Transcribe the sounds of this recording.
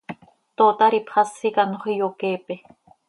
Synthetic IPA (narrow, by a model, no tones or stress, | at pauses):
t̪oːt̪aɾipʰχɑsːikanoχijokeːpe